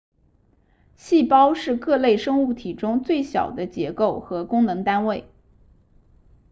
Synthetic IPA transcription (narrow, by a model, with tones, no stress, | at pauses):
ɕi˥˩pɑ˥ʊʂɻ̩˥˧kɤ˥˧le˥˩ɪʂɤ˥ŋu˥˩t̪ʰi˨˩ʈ͡ʂʊ˥ŋt͡swe˥˩ɪɕjɑ̰˨˩ʊd̪ə˦t͡ɕjɛ˧˥ko˥˩ʊxɤ˧˥kʊ˥ŋnɤ˧˥ŋt̪a˥nwe˥˩ɪ